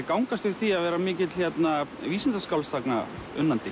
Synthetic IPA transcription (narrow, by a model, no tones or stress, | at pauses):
kawŋkast̪ʏ̥θiaðvɛːɾamɪːcɪt̪l̥çjɛt̪naviːsɛnt̪askawlst̪akna̰ʏ̰nːant̪ɪ